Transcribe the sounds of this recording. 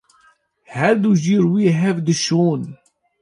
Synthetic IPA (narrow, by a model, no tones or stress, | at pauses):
hæɾd̪uʒiɾwiɦɛvd̪ɨʃuːn